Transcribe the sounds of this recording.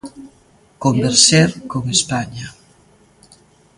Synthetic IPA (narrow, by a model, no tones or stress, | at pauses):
kombeɾseɾkoŋespaɲa